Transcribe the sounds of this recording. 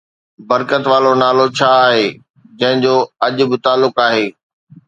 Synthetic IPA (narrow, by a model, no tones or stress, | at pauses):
bɐɾkət̪ʋaːlonaːlot͡ɕʰaːɦeː | d͡ʑɐ̃ɦɪ̃ɲd͡ʑoːɐʄʊ̆bɪt̪aːlːʊkaːɦeː